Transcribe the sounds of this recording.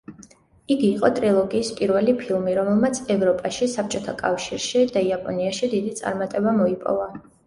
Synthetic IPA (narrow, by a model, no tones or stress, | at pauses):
iɡiːqʼɔt̪ʼɾilˠɔɡiːspʼiɾvɛlipʰilˠmiɾɔmɛlˠmat̪sʰɛvɾɔpʼaʃisap̚t͡ʃʼɔt̪ʰakʼafʃiɾʃid̪aiapʼɔniaʃid̪id̪it̪sʼa̰ɾmat̪ʼɛbamɔipʼɔ̰va